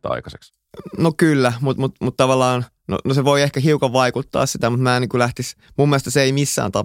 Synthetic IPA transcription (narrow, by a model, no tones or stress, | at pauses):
tɑ̰ikɑseks | nokylːæmut̪mut̪mut̪t̪ɑʋɑlːˑɑːn | no̰noseʋoiehkæɦiukɑʋʋɑikut̪ːɑ̰ːssit̪æmut̪mæːniːŋkulæht̪is | mumːielest̪ɑseimisːæ̰ːnt̪ɑ